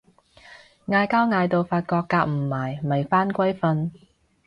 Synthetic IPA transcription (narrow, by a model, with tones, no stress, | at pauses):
ŋaː˧jkaː˥wŋaː˧jt̪o˨wfaː˧t̚kɔː˧kːaː˧k̚m̩˨˩maː˨˩jmɐ˨˩jfaː˥nkʷɐ˥jfɐ˧n